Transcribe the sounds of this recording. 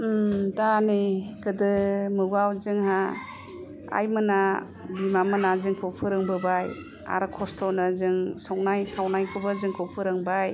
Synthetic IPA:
mdanikʰɯdɯmɯɡawzɯŋɦa | a̰jmɯna | bimamɯnazɯŋkʰɯpʰɯɾɯŋbɯbaj | a̰ɾkʰɔstʰɔnɯzɯŋsɔw̚najkʰawnajkʰɯbɯzɯŋkʰɔwpʰɯɾɯŋbaj

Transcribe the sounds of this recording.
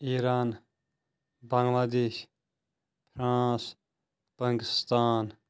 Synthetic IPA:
iɾaːn | bɐŋɡʋaːd̪eːʃ | pʰɾãːs | pəŋkist̪aːn

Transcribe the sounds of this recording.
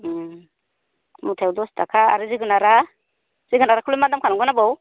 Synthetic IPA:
kmut̪ʰewd̪ɔsd̪akʰaa̰ɾiziɡunaɾa | z̥iɡunaɾakʰulumad̪amkʰanuɡunabow

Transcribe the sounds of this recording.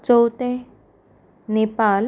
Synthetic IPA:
t͡ʃowt̪ẽ | nepaːl

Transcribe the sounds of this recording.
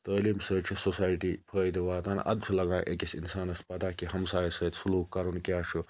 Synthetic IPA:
t̪ɐːliːmsəːt͡ʃʰusosaːjʈipʰəːid̪iʋaːt̪aːn̰ʔɐ̰d̪t͡ʃʰulɐɡãːʔekʲisḭnsaːnɐspɐd̪aːkihɐmsaːjisəːt̪suluːkkɐɾunkjaːʃʰu

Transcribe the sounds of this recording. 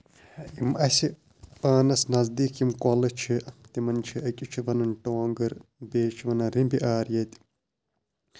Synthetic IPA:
imʔɐsi | paːnɐsnɐzd̪iːkimkɔlɨt͡ʃʰit̪imɐnt͡ʃʰiʔɐkʲʼut͡ʃʰiʋɐnɐnʈoːŋɡɐɾbeːt͡ʃʰiʋɐnɐɾimbiʔaːɾjɐt̪ʲ

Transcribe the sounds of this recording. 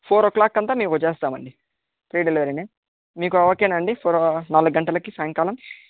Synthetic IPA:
pʰoːɾoklaːkːɐnt̪aːmiːkut͡ʃeːst̪aːmɐ̰ɳɖi | pɾiːɖelʋɐɾine | miːkuɐʋɐkenɐɳɖipʰoːɾnaːluɡɡɐɳʈɐlɐkisaːjɐŋkaːlɐm

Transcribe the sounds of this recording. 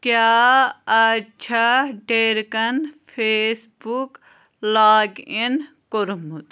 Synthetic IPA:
kjaːɐt͡ʃʰaɖeːɾkɐnpʰeːs | buk | laːɡin | koɾumut̪

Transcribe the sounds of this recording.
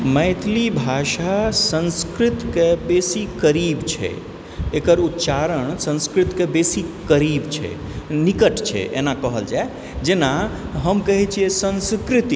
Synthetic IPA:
məɪt̪ʰlibʱaʃasə̃nskɾɪt̪kebesikəɾiːbt͡ʃʰɛ̰ | ekəɾut̪t͡ʃaɾəɳsə̃nskɾɪt̪kebesikəɾiːbt͡ʃʰɛ̰nikəʈt͡ʃʰɛ̰ʔḛnakəɦəld͡ʒae | d͡ʒenaɦəmkəɦit͡ʃʰiesə̃nskɾɪt̪i

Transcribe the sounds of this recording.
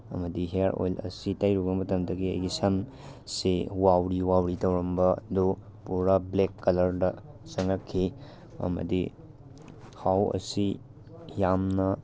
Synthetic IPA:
ɐ̰mɐdiɦeaɾo̰jlɐ̰sitajɾuɡɐmɐtɐmdɐɡiɐ̰jɡisan | sewawɾiwawɾitɐwɾɐmbɐdu | puɾablekːɐlɐɾdɐsɐŋɾɐkʰːi | ɐ̰mɐ̰di | hawɐ̰si | jamnɐ

